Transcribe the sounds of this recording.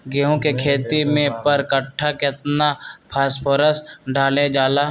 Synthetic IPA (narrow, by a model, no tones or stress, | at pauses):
ɡeːɦõkekʰeːt̪imẽpɐɾkɐʈʰːakɪt̪napʰaːspʰoːɾəsɖaːled͡ʒaːlaː